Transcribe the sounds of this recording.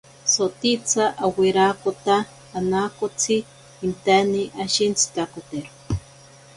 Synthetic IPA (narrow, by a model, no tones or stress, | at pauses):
sot̪it͡sʰaʔaweɾakot̪aː | nakot͡sʰiː | nt̪aniʔaʃint͡sʰi̥t̪akot̪eɾo̥